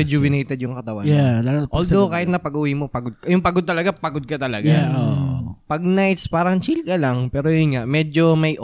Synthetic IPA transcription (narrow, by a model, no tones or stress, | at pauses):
ɛd͡ʒowɪnejt̪ɛd̪jʊŋkɐt̪ɐwa̰jalaʔoːld̪okaːhɪt̪nɐpɐɡʊwimopɐɡod̪̚kɐjʊŋpɐɡod̪t̪ɐlɐɡapɐɡod̪̚kɐt̪ɐlɐɡaoʔpɐɡ̚najt̪spaːɾɐŋt͡ʃilkɐlaŋpɛːɾojʊnŋaʔmɛːd͡ʒo̞mɐjʔ